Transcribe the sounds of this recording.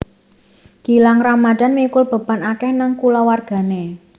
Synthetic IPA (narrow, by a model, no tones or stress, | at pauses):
ɡ̥i̤laŋramad̥a̤nmikʊlb̥ə̤panakɛhnaŋkulawarɡ̥a̤ne